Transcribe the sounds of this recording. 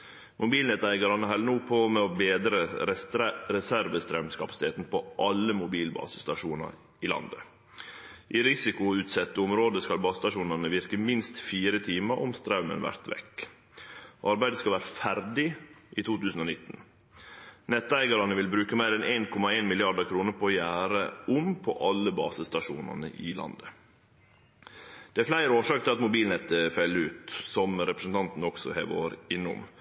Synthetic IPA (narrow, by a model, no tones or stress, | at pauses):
mʔʊbiːlnɛt̪æɪɡɑɾɑnəɦɑlnuːpʰoːmɛobeːd̪ɾə | ɾɛsæɾʋəst̪ɾɑʉmskɑpɑsɪt̪ʰeːt̪n̩pʰoʔɑləmʊbiːlbɑ̰ːsə̥st̪ɑʂuːnɑ̰ɾ | ɪlɑ̰nd̪ə̰ | ʔiːɾɪsɪkʊʉːt̪sɛt̪ːəʊmɾoːd̪əskɑlbɑːsst̪ɑʂuːnɑnəʋɪɾkəmɪnst̪fiːɾət̪ʰiːməɾʔɔ̰mst̪ɾɑʉmə̰nʋæ̰ɾt̪ʋɛ̰kː | ʔɑɾbæɪd̪əskɑlʋæːɾəfæɾd̪ɪʔiːt̪ʰuːt̪ʉːsn̩oːnɪt̪ːn̩ | nɛt̪ːæɪɡɑɾɑnəʋɪlbɾʉːkəmæɪɾɛnʔeːnkʰɔmɑeːnmɪlɪɑɖəkʰɾuːnəɾpʰojæːɾəʊmpʰɔ̰ʔɑlːəbɑ̰ːsəst̪ɑʃṵːnɑ̰nə̰ʔɪ̰lɑ̰nd̪ə | d̪̥ɛæɾflæɪɾoːʂɑːk̚t̪ʰɪlɑt̪mʊbiːlnɛt̪əfœlːəʉːt̪sɔmɾɛpɾəsn̩t̪ʰɑnt̪n̩ɔksɔhḛːʋo̰ːɾɪnːʊ̰m